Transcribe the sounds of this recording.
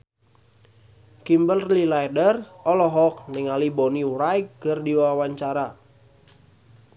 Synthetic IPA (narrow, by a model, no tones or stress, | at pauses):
kimbəllilajdərɔlɔɦɔk̚nɪŋaliboniuɾajkːərdiwawaɲt͡ʃaɾa